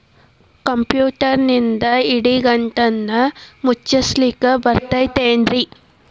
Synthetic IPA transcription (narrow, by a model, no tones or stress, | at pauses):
kɐmpjuːʈɐɾnind̪ɐiɽiɡɐɳʈɐnːɐmut͡ʃːɐslikɐbɐɾt̪ɐjt̪eːɳɖɾi